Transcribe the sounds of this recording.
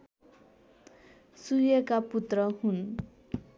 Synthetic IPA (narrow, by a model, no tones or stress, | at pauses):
sujʌkaput̪rʌɦun